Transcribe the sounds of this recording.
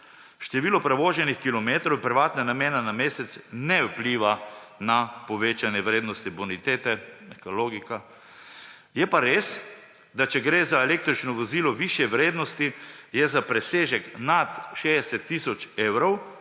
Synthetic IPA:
ʃt̪ɛʋiːlɔpɾɛʋoːʒɛnixkilɔmeːt̪ɾɔwpɾiʋaːt̪nanameːnanameːsɛt̪snɛupliːʋanapɔʋeːt͡ʃanjɛʋɾeːd̪nɔst̪ibunit̪eːt̪ɛɛkoloːɡika | jɛpaɾeːs | d̪at͡ʃɛɡɾeːzaeleːk̚t̪ɾit͡ʃnɔʋɔziːlɔʋiːʃjɛʋɾeːd̪nɔst̪ijɛzapɾɛseːʒɛknat̪ʃeɛsɛt̪ːisɔt͡ʃeːwɾɔw

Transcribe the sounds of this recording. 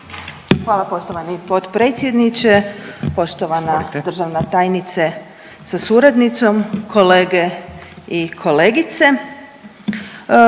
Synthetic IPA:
xʋaːlˠapo̞ʃt̪oʋanipo̞t̪pɾe̞ːt̪sʲje̞d̪nit͡ʃepo̞ʃt̪o̞ʋanad̪r̩ʒaʋnat̪aːjnit̪se | sasuɾad̪nit̪so̞mkʰo̞leːɡeikʰo̞leːɡit̪se

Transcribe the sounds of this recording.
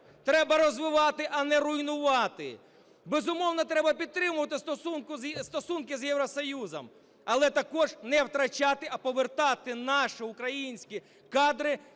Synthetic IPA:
t̪ɾɛbɐɾɔzʋɪʋɑt̪ɪʔɐnɛrʊjnʊʋɑt̪ɪ̰ | bezʊmɔwnɐt̪ɾɛbɐpʲid̪̚t̪ɾɪmʊʋɐt̪ɪst̪ɔsunkʊzst̪ɔsunkɪzjɛwɾɔsɔjuzɔ̰m | ɐlˠɛt̪ɐkɔʒnɛwt̪ɾɐt͡ʃat̪ɪɐpɔʋert̪ɑt̪ɪnɑʃɪʊkɾɐjinʲsʲkʲi | kɑd̪ɾɪ

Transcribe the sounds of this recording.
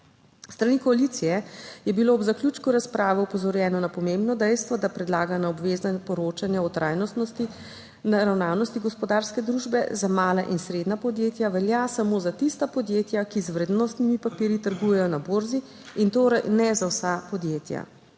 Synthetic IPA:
st̪ɾanikɔalit̪sijɛjɛbiloːbzakljuːt͡ʃkuɾaspɾaːʋɛɔpɔzɔɾjɛːnɔnapɔmembnɔd̪ɛjst̪ʋɔd̪apɾɛd̪laːɡanaɔbʋeːzapɔɾoːt͡ʃanjaɔt̪ɾʔajnɔst̪nɔst̪i | naɾawnaːwnɔst̪iɡɔspɔd̪aːɾskɛd̪ɾuʒbɛ̰zamaːlaʔinsɾeːd̪napɔd̪jeːt̪jaʋɛljasamozat̪ist̪apɔd̪jeːt̪jakizwɾed̪nɔst̪nimipapiːɾjit̪əɾɡuːjɛjɔnaboːɾzi | int̪oːɾɛjnɛzawsapɔd̪jeːt̪ja̰

